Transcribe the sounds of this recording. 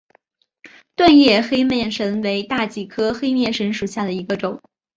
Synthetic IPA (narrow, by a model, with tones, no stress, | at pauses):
t̪wa˥˧njɛ˥˩xe˥ɪmjɛ˥˩nʂə˧˥nwe˧˥ɪt̪a˥˩t͡ɕi˨˩kʰɤ˥xe˥ɪmjɛ˥˩nʂə˧˥nʂu˨˩ɕja˥˩d̪ə˩i˧˥ɡə˧ʈ͡ʂʊ˨˩˦ŋ